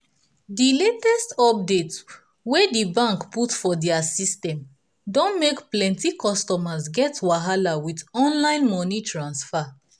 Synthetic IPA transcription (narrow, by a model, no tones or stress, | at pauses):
diletɛstɔp̚det | wedibãŋkputfɔdɛasistɛ̃m | dõnmekplɛ̃ntikɔstɔmazɡɛtwaɦalawitɔ̃nlãɪ̃nmɔnitɹãnsfa